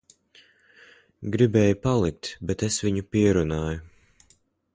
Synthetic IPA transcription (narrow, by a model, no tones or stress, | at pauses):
ɡɾibɛːjupalˠik̚t̪bɛt̪esviɲupiɛɾunaːju